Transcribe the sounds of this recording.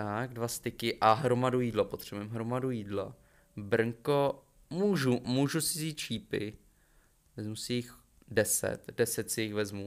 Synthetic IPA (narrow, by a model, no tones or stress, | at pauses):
tt̪aɡdvast̪ɪkɪʔaɦɾomadujiːdlopo̞t̪r̥ɛbujɛmɦɾo̞madujiːdlo̰ | br̩ŋko | muːʒumuːʒusɪziːt̪̚t͡ʃiːpɪ̰ | vɛzmusɪjɪx | dɛsɛ̰t̪d̥ɛsɛt̪sɪjɪxvɛzmu